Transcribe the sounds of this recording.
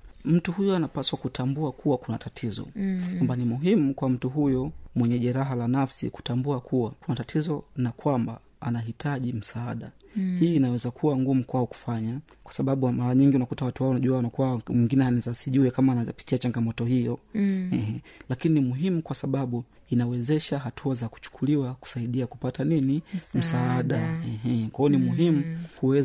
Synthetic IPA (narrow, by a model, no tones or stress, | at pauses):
m̩tuhujɔanapaswakutʰambuakʰuwakunatatʰizɔ̰kwambanimuɦimukwam̩tuɦujɔmwɛɲɛʄɛɾaɦalanafsḭku̥tambuakʰuwakunatatʰizɔnakwamba̰ | a̰naɦitʰaʄim̩saaɗa | hiːnawɛzakʰuwaŋɡumukwaɔku̥faɲa | kwḁsaɓaɓumaɾaɲiŋɡiunakutawatuhaɔnaʄuawanakuwamwɛŋɡinɛhanɛzasiʄuɛkamaːnapi̥tiat͡ʃaŋɡamɔtɔhijɔɛɦɛlakininimuɦimukwasaɓaɓu | inawɛzɛʃaɦatʰuazaku̥t͡ʃu̥kʰuliwaku̥saiɗiaku̥pataninim̩saaɗaɛɦɛkwaɔnimuɦimukuwɛ